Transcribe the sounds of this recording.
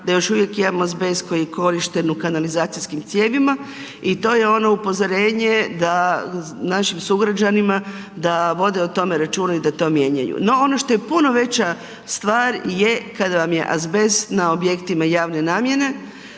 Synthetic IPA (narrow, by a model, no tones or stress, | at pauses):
d̪ajo̞ʃuʋje̞kimamoazbesko̞jieko̞ɾiʃt̪e̞nukanalizaːt̪sijskimt̪sʲjeːʋima | it̪o̞ːje̞o̞no̞upo̞zoɾe̞ːɲed̪a | naʃimsuɡɾad͡ʑanima | d̪aʋo̞d̪eot̪o̞me̞ɾat͡ʃuːnaid̪at̪o̞ːmje̞ɲa̰jṵno̞o̞noʃt̪o̞jepuno̞ʋe̞t͡ɕa | st̪ʋaːɾje̞kad̪aʋamje̞̰ʔa̰zbe̞snao̞bje̞kt̪imajaːʋne̞naːmje̞ne̞